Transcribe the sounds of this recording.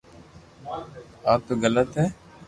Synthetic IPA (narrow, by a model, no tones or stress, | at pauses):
aːpɣələt̪ɦɛː